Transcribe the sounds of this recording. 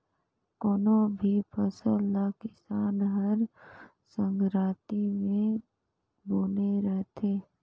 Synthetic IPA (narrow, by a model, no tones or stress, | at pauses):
koːnobʱipʰəsəlːakɪsaːnɦəɾ | sə̃ŋɡɾaːt̪imẽ | boːneɾəɦt̪ʰeː